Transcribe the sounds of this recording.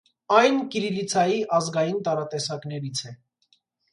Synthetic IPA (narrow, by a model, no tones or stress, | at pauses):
ɑjnkiɾilit͡sʰɑjiʔɑzɡɑjint̪ɑɾɑt̪ɛsɑkn̪ɛɾit͡sʰɛ